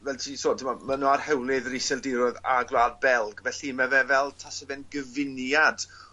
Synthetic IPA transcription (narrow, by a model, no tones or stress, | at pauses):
vɛltʰiːsʰoːdʰɪmamənɔarhɛwlɪðɾɪsɛlˠdɪɾɔðaɡlˠadbɛlˠɡvɛɬinmɛvɛvɛlˠtʰasəvɛnɡəvɪnjad̥